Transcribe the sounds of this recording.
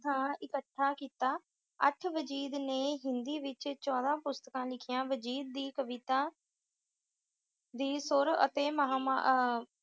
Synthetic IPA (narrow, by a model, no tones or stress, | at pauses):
d̪ãːɪkəʈʰːaːkiːt̪aː | əʈʰʋəd͡ʒiːd̪neːɦɪnd̪iːʋɪt͡ʃt͡ʃɔːd̪ãːpʊst̪əkãːlɪkʰɪjãːʋəd͡ʒiːd̪̚ːiːkəʋɪt̪ãː | d̪iːsʊɾə̰t̪eːməɦaːm̰